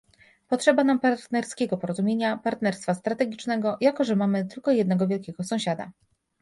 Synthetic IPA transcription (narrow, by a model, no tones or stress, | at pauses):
pɔtʂɛbanampaɾt̪nɛɾskʲɛɡɔpɔɾɔzumʲjeɲapaɾt̪nɛɾst̪fast̪ɾat̪ɛɡʲit͡ʂnɛɡɔjakɔʐɛmamɘt̪ɘlkɔjɛd̪nɛɡɔvʲjɛlkʲɛɡɔsɔ̃w̃ɕad̪a̰